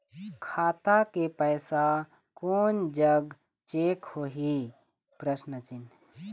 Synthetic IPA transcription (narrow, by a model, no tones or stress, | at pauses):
kʰaːt̪akepɛːsa | koːnd͡ʒəɡ | t͡ʃeːkhoːɦi | pɾəʃnət͡ʃɪn